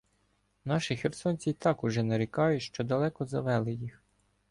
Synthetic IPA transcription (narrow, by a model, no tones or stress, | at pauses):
nɑʃɪxʲersɔnʲt͡sʲijt̪ɑkʊʒɛnɐɾʲikɑjʊʃt͡ʃɔd̪ɐlˠɛkɔzɐʋɛlˠɪjix